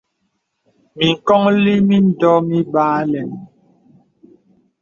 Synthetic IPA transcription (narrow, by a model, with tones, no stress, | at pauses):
mi˨ŋ̩˨kɔ˦ŋli˦mi˦n̩˨dɔ˦mi˦baː˦lɛ˨n